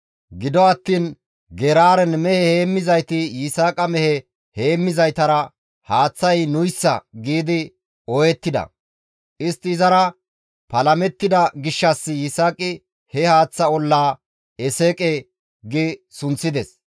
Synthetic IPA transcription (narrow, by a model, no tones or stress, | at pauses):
ɡɪd̪ɔɐt̪ːiːn | ɡɛɾaːɾɛnmɛhɛheːmːɪzɐjt̪ɪjɪsaːkʼɐmɛhɛ | heːmːɪzɐjt̪ɐɾɐ | haːt͡sːɐjnʊjsːɐɡiːd̪ɪ | ɔjɛt̪ːɪd̪ɐ̰ | ʔɪst̪ːɪːzɐɾɐ | pɐlɐmɛt̪ːɪd̪ɐɡɪʃːɐsːɪjɪsaːkʼɪ | hɛhaːt͡sːɐɔlːaː | ɛseːkʼɛ | ɡɪsʊnt͡sːɪd̪ɛs